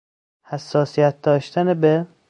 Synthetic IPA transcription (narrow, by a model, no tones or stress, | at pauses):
hæsːɒːsijæt̪̚d̪ɒːʃt̪ænebe